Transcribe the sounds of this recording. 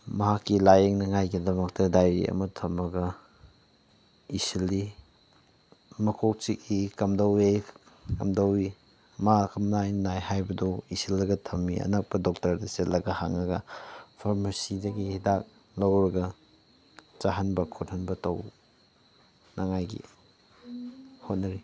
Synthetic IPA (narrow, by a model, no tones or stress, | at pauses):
mɐɦakːilajeŋnɐŋajɡidɐmɐk̚tɐdajɾiɐ̰mɐtʰɐmɐɡɐ | isili | mɐkʰok̚t͡ʃik̚ikɐmdɐwej | kɐ̰mdɐwi | makɐmnajnajhajbɐdɔisilːɐɡɐtʰɐmːiɐ̰nɐk̚pɐdok̚tɐɾdɐset̚lɐɡɐhaŋɐɡɐpʰaɾmɐsidɐɡihidak̚ | lɐwɾɐɡɐ | t͡ʃaɦɐnbɐkʰothɐnbɐtɐ̰w | naŋajɡḭ | hot̚nɐɾi